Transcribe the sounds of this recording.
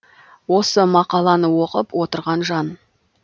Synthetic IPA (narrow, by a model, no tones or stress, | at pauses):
wo̞səmɑqɑlˠɑnəwo̞qəpwo̞t̪əɾʁɑnʒɑn